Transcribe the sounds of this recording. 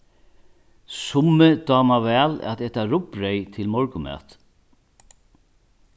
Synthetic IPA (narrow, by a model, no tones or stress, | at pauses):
sʊmːɪd̪ɑːmavɛːlæ̰t̪ɛht̪aɾʊpɾɛjt̪ʰɪlmɔɹkʊmɛ̰ːt̪